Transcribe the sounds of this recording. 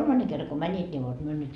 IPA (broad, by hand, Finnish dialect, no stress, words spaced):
kolmɑnːe kerːɑ ko mænʲit nʲi ʋot myø nyt